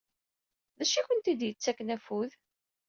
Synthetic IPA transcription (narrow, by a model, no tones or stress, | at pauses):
ðæʃiçənt̪id̪jət͡sːækːnæfuð